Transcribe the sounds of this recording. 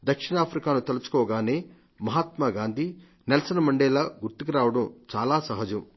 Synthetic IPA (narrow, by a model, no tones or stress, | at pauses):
d̪ɐkʂiɳaːpʰɾikaːnut̪elut͡ʃu̥kɔːɐɡaːneː | mɐɦaːt̪maːɡaːnd̪ʱi | nɛlɐsɐnɐmɐɳɖeːlɐɡuɾt̪ik̬iɾaːʋɐɽɐmt͡ʃaːlaːsɐɦɐd͡ʒɐm